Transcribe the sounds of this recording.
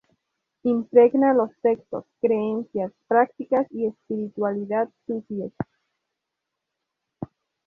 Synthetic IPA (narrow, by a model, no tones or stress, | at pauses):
impɾe̞ɣnalo̞sːe̞kst̪o̞̰skɾeensjaspɾak̚t̪ikasie̞spiɾit̪waliðaðsut̪iles